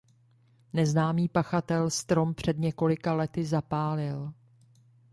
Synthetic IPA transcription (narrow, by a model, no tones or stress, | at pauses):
nɛznaːmiːpaxat̪ɛlst̪ɾo̞mpr̝̥ɛdɲɛko̞lɪkalɛt̪ɪzapaːlɪl